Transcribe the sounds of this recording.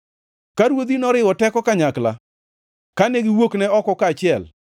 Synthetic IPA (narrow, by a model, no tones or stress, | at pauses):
kaɾwod̪inɔɾɪwɔtɛkɔkaɲakla̰ | kaneɡɪwoknɛɔkɔkaːt͡ʃɪɛl